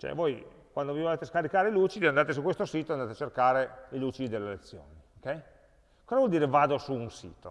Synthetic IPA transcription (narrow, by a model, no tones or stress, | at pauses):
t͡ʃɛ̰voj | kwand̪ovojvoleːt̪eskaɾikaːɾeiluːt͡ʃid̪iand̪aːt̪es̬ukwest̪osiːt̪oand̪aːt̪eat͡ʃerkaːɾeiluːt͡ʃid̪id̪elːelet̪sːjo̰ːniokːɛj | kɔːzavwɔld̪iːɾevaːd̪osuːnsḭːt̪o̰